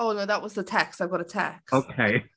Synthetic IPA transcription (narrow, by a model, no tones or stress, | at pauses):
oʊnoʊðəʔ̚wʌzðətʰæksaɪvɡɑɾətʰæ̰koʊkʰeɪ